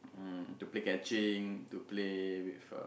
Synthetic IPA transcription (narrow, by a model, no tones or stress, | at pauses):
tuplekɛt͡ʃĩŋtuplewif